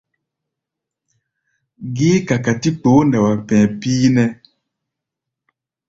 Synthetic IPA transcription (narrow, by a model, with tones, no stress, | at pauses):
ɡiː˦ka˨ka˨ti˦k͡po˨˦nda˨wa˨pɛ̃ː˨piː˦nɛ˦